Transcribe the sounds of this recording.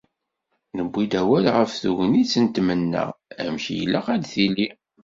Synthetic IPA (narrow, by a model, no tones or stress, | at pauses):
nəbːid̪æwælʁəfθuʝənit͡sːənt̪mənːæ̰æ̰mçijəlːæqæd̪θili